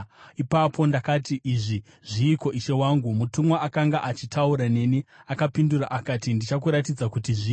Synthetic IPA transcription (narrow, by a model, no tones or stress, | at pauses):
ipapʰo̞ndakatiʔiʐi | ʐ̥iːko̞ʔiʃe̞waŋɡumutumwaʔakaŋɡaʔat͡ʃitʰauɾane̞niakapindura̰ʔakatindit͡ʃakuɾatid͡zakutiʐi